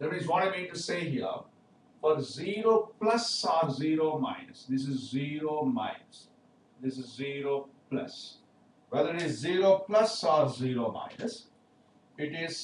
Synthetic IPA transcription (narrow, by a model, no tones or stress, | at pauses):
d̪ɛmizʋɔ̃ːnamĩʈuseːɦiə̰ | fɔɾziːɾoːplʌsɔːɾziːɾoːmã̰ɪnəsd̪ɪs̬ɪzːiːɾoːmã̰ɪnəs | d̪ɪsɪzːiːɾoːplʌ̰s | ʋɛd̪əɾɪʈɪzːiːɾoːplʌsɔːɾziːɾoːmã̰ɪnəs | ɪʈɪz̥